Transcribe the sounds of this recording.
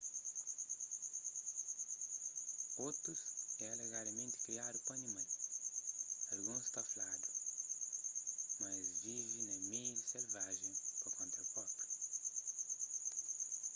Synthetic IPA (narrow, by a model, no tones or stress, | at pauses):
ot̪ɾʊsɛaleɣaɾɐmẽnt̪ɪ̥kɾiad̪ʊpɐnĩmɐ̃j | alɡũst̪aflad̪ʊ | mazvivẽnɐ̃mejdiselvaʒẽj̃poɾõnt̪ɾɐpɔɾt̪ɐ̥